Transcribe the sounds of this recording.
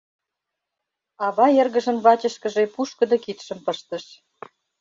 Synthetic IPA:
ɑβɑerɣə̆ʒə̆nβɑt͡ɕə̆ʃkə̆ʒepuʃkə̆d̪ɤ̆kit̪ʃə̆mpəʃt̪ə̆ʃ

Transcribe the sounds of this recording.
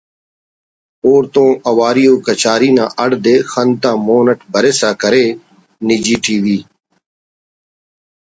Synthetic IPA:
oːɾt̪õːʔəʋaːɾɪjoːkət͡ʃaːɾiːnã̰ːʔəɽd̪eːxənt̪ãːmoːnəʈbʱəɾeːsaːkəɾeː | niːd͡ʒiːʈiːʋiː

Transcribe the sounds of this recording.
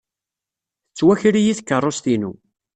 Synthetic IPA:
ət͡sːwæçɾijiθkːərˤːost̪inṵ

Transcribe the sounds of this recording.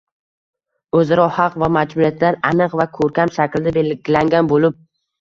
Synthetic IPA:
ɵzaɾɒhɑqvamad͡ʒbuɾijat̪laɾanɨqvakʰɵɾkʲamʃakʲld̪ɪbelɡʲɪlaŋɡʲanbolɪp̚

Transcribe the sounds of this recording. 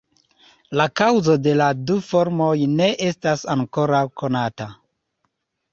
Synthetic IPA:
lakawzo̞de̞ladufo̞ɾmo̞jne̞ʔe̞stasaŋko̞ɾawko̞nata

